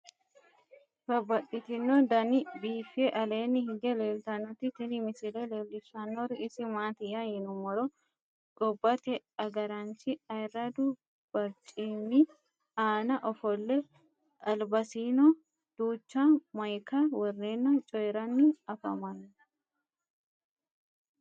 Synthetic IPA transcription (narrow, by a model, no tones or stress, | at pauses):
bɐbːɐɗɪt̪ɪnːɔd̪ɐnɪbiːfeʔɐleːnːɪhɪɡ̪ɛleːlt̪ɐnːɔt̪ːɪt̪ɪnɪmɪsɪlɛleːlːɪsːanːɔɾɪɪsɪmaːt̪ɪajɪnʊmːɔɾɔ | ɡɔbːɐt̪ɛɐɡɐɾɐnt͡ʃɪɐjrːɐd̪ʊ | b̥ɐɾt͡ʃʼːiːnːɪ | aːnɐʔɔfɔlːɛ | ɐlbɐsiːnɔ | d̪̥uːt͡ʃːamɐjkɐwɔrːeːnːɐt͡ʃʼɔjɛɾɐnːɪɐfɐ̰mɐnː